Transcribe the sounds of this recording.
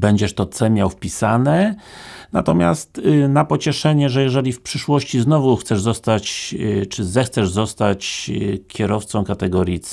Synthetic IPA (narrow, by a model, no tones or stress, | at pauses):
bɛɲd͡ʑɛʂt̪ɔt̪sɛmʲjawfpʲisanɛ | na̰t̪ɔmʲja̰st̪napɔt͡ɕɛʂɛɲɛʐɛjɛʐɛlʲifpʂɘʂwɔɕt͡ɕiznɔvuxt̪sɛʐzɔst̪at͡ɕt͡ʂɘzɛxt̪sɛʐzɔst̪at͡ɕkʲɛɾɔft̪sɔ̃w̃kat̪ɛɡɔɾʲjit̪s